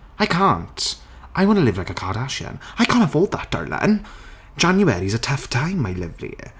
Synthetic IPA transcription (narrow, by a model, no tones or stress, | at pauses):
aɪkʰãnt | ʔaɪwɑ̃nəlɪvlaɪkəkʰɑːɾaʃə̰̃naɪkʰãnfoʊlˠd̪̚ðə̰t̚d̥ə̰ɹlə̰̃n | d̥d͡ʒãnjɨɛɹizətʰʌftʰãɪ̃mːaɪlɪvlḭ